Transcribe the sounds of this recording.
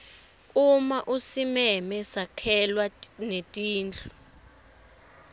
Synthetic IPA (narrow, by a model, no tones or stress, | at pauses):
umaʔusimɛmɛsakʰɛlwanetʼiːnd͡ɮʰʱu